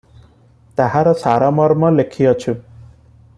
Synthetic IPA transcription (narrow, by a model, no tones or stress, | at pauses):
t̪aɦaɾɔsaɾɔmɔɾmɔlekʰiɔt͡ʃʰu